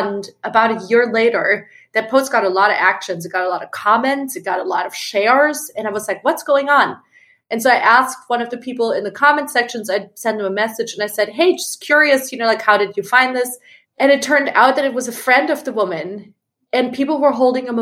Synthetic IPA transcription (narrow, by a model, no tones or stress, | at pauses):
ndʔəbaʊɾɨjɪɹleɪɾə˞ | ðɨt̚pʰoʊsɡ̥ɑɾəlɔɾʌ̰vækʃɨ̃nzɨt̚ɡ̥ɑɾəlɔɾʌv̥kʰɑmɛ̃ntsɨt̚ɡ̥ɑɾəlɔɾʌv̥ʃɛɹz̥ɨ̃naɪwʌzlaɪkwʌtsɡ̥oʊɪ̃ŋə̃n | ʔɨ̃nsoʊaɪʔæsk̚t̚wʌ̃nʌvðɨpʰipl̩ˠɪ̃nðɨkʰɑmɛ̃ntsɛkʃɨ̃nzaɪdsɛ̃nðə̃məmɛsɨd͡ʒɨ̃naɪsɛd̚ɦeɪd͡ʒʌ̥skʰj̥ʊɹiɨsjɨnoʊlaɪkhaʊɾɨd͡ʒɨfãɪ̃nðɪs | ɨ̃ñɨtʰɜ̃˞nda̰ʊt̪̚ðɨɾɨt̚wʌzɨfɹɛ̃ndʌvðɨwʊmɨ̃n | ɨ̃npʰipl̩ˠwə˞ɦoʊlˠdɪ̃ŋə̃m